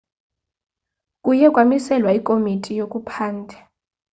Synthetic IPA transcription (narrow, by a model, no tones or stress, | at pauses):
kʼujɛkʼwamisɛlwaikʼomitʰʼijokʼupʰaːndʱɛ